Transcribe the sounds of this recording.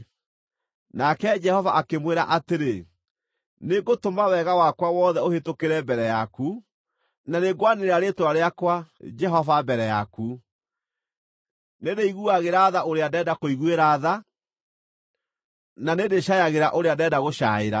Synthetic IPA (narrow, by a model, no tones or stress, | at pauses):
nakɛd͡ʒɛhɔvaʔakemweɾaʔateɾe | neɡotomawɛɣawakwawɔðɛohetokeɾɛbɛɾɛjaku | naneɡwaneɾeɾaɾetwaɾeakwad͡ʒɛɦɔvabɛɾɛja̰ku | nedeiɣuaɣeɾaːðaoɾeadɛdakoiɣweɾaːða | nanedeɕajaɣeɾaʔoɾeadɛːdaɣoɕa̰eɾa̰